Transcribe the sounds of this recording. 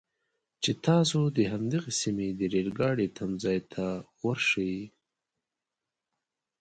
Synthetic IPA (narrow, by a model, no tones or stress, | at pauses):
t͡ʃet̪ɑsod̪əɦamd̪əɣesimed̪əɾelɡɑɽet̪ʰamzɑjt̪ʰawaɾʂəji